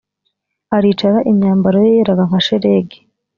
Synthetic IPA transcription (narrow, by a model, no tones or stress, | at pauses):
aɾiːt͡ʃaɾaʔimɲaːmbaɾojejeɾaɡaŋ̥aʃeɾeɡe̥